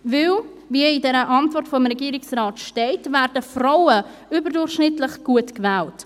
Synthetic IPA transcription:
vɪl | viidɛːɾəʔɑntvɔrtfɔmɾɛɡiːɾɪksɾaːtʃtɛɪtvɛːɾdəfraʊə | yːbəɾdʊʃnɪtlɪχɡ̥uətkvɛːlt

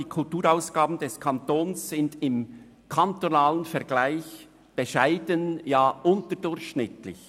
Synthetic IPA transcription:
iːkʰʊltuːɾaʊsɡ̥aːbn̩dɛskʰɑntoːnsz̥ɪndɪm | kʰantonaːlənfɛɐɡ̥laɪç | b̥eʃaɪdənjaːʔʊntəɾdʊɾçʃnɪtlɪ̰ç

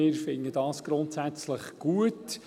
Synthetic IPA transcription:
ɪːɾfɪŋːədɑːsɡ̥ɾʊntsæt͡sləχɡ̥uət

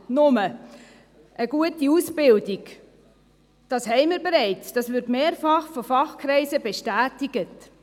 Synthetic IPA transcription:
nʊmə | ʔəɡ̥uətiusbɪldiɡ | d̥ɑshɛɪmɪɾbeɾɛɪt͡sd̥ɑsvɪɾtmeːɾfɑχfɔfɑχkʰɾɛɪsəbeʃtæːtiɡ̥ət

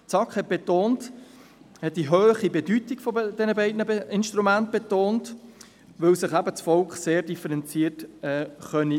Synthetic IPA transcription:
t͡sɑkχhɛt̚b̥ɛtoːnt | hɛt̚d̥iɦøːχibedytiɡ̥fɔd̥ɛnəbɛɪdnəbeɪnʃtɾumænt̚b̥etoːnt | ʋœwsɪχæbət͡sfɔlkχseːɾdifəɾɛnt͡siːətɛːχœni

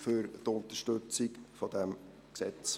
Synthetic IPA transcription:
fʏɾtʊnt̪əʃtɵt͡sikfɔd̥̪ɛm | ksɛt͡s

